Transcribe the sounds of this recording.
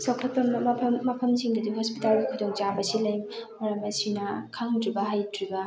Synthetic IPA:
sawkʰɐt̚pɐmɐpʰɐmːɐpʰɐmsiŋdɐdihɔspitalɡikʰudoŋt͡ʃabɐsilɐjmmɐɾɐmɐsinɐkʰaŋdɾibɐɦajdɾibɐ

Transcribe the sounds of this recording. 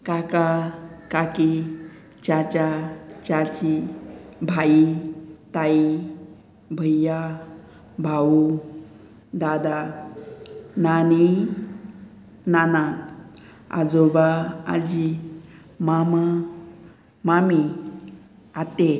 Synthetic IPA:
kakakaki | t͡ɕat͡ɕat͡ɕat͡ɕi | bʱait̪ai | bʱəjːa | bʱau | d̪ad̪a | nani | nana | a̰d͡zobaa̰d͡ʑi | mama | mami | at̪e

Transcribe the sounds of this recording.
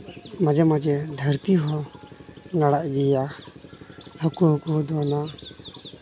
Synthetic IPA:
mad͡ʒɛmad͡ʒɛd̪ʱəɾt̪iɦɔ | naɽaʔɡɛja | hɔkuɦɔkuɦd̪ɔna

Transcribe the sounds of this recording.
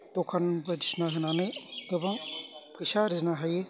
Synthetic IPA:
tɔkʰanbaɾisnaɦɯnanɯjdɯbaŋpʰɯjsaɾisnaɦaje

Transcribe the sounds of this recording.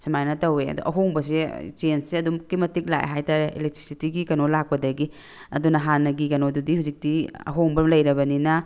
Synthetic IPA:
samajnɐtɐweɐ̰do̰ʔɐ̰ɦoŋbɐs̬et͡ʃensseɐdumkimɐtik̚la̰j̰ɦajtaɾeʔḭlek̚tɾi̥sitiɡikɐnolak̚pɐdɐɡi | ɐ̰dunɐɦanɐɡikɐnodudihuzik̚tiɐ̰ɦoŋbɐmlɐjɾɐbɐnina

